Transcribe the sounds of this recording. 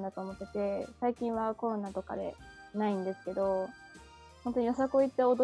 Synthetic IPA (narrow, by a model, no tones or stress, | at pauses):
nd̪at̪o̞ːmo̞t̪ːe̞t̪e̞saikʲĩɰ̃βako̞ɾo̞naːt̪o̞ka̰d̪e̞̰naĩnd̪e̞sɨ̥ke̞d̪o̞ | hõnt̪o̞ɲ̟ios̬akoit̪ːeod̪o